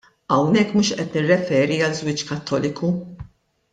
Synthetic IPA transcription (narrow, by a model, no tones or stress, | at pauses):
ɐwnɛkːmuːʃʔɛt̪nɪrːɛfɛːɾiɐlzwɪːt͡ʃkɐt̪ːɔːlɪku